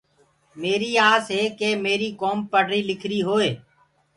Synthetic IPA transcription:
meːɾiːaːsɦeːkeːmeːɾiːkoːmpəɖɾiːlɪkʰɾiːɦoːeː

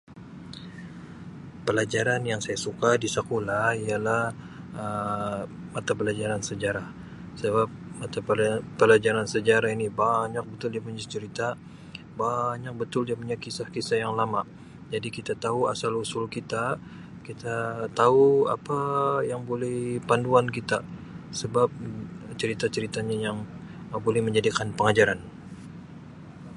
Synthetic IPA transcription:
pəlad͡ʒaɾanjaŋsajasukadisəkolaijalah | ə | mat̪apəlad͡ʒaɾansəd͡ʒaɾah | səbap̚mat̪appəlad͡ʒaɾansəd͡ʒaɾahinibaɲak̚bət̪ʊldiapuɲast͡ʃəɾit̪a | baɲak̚bət̪ʊldiapuɲakisahkisahjaŋlamaʔ | d͡ʒadikit̪at̪aua̰salusʊlkit̪a | kit̪at̪aua̰pajaŋbolɛhpanduankit̪a | səbap̚t͡ʃəɾit̪at͡ʃəɾit̪aɲajaŋ | bolɛhməɲd͡ʒadikanpəŋad͡ʒaɾan

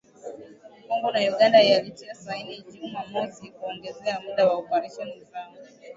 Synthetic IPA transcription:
kɔŋɡɔnajuɠandaialitiasainiʄumamɔsikuɔŋɡɛzɛamuɗawaɔpaɾaʃɔnizaɔ

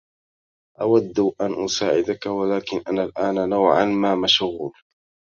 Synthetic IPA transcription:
ʔawad̪ːʔanʔʊsaːʕɪd̪akawalaːkɪnʔanalʔaːnanawʕa̰nmaːmaʃɣuːl

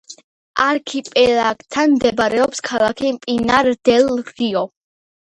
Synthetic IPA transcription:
aɾkʰipʼɛlaɡt̪ʰːanmd̪ɛbaɾɛɔpskʰalˠakʰipʼinaɾd̪̥ɛlɣiɔ

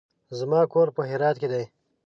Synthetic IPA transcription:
zmɑːkoɾpəɦɪɾɑːt̪ked̪aj

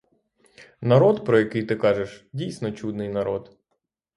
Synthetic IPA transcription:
nɐɾɔd̪pɾɔjɐkɪjt̪ɪkɑʒeʃdʲijsʲnɔt͡ʃud̪nɪjnɐɾɔd̪

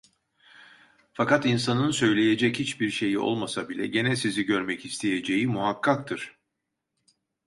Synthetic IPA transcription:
fakat̪insanɯnsø̞jlʲeje̞d͡ʒɛchit͡ʃbiɾʃe̞jio̞̰lˠmasabilʲɛ̰ɟe̞nɛsiziɟø̞ɾmɛcist̪ʰejed͡ʒejimuɦakʰːak̚t̪ʰɯɾ̥

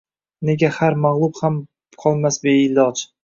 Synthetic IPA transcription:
ne̞ɡʲahaɾmaʁlˠʊbham | qʰɒlˠmasbeɪlɒd͡ʒ

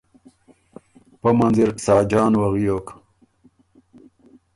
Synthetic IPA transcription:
pɐmɐnziɾksaːd͡ʑaːnwɐɣijok

